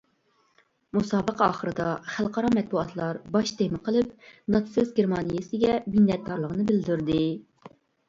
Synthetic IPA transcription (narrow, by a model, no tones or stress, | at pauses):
musɑːbəqɑ̰ːχəɾɨd̪ɑχælˠqɑɾɑmɛt̪̚buɑt̪ʰlˠɑɾbɑʃd̪emɨqʰəlˠɨp̚nɑt̪sɨzɡʲeɾmɑnijɪsɨɡʲɛminːɛt̪̚d̪ɑɾlˠəʁənɨbɪld̪yɾd̪ɨ